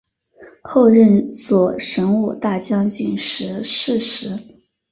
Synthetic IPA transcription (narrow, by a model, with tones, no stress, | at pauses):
xo˥˧ʊɻə˥˧nt͡swɔ˥˨˩ʂə˧˥ŋu˨˩t̪a˥˩t͡ɕjɑ˥ŋt͡ɕy˥˩nʂɻ̩˧˥ʂɻ̩˥˩ʂɻ̩˧˥